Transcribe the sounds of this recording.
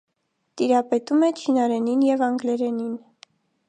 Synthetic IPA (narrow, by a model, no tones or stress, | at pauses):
t̪iɾɑpɛt̪umɛt͡ʃʰinɑɾɛninjɛvɑŋɡlɛɾɛnin